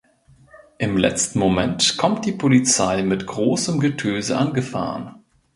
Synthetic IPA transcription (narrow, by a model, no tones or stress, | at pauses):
ʔɪmlɛ̰t͡stn̩momɛntkʰɔmt̚d̥iːpʰolit͡saɪmɪtɡ̥ʁoːsəmɡətʰøːzəʔanɡəfa̰ːʁən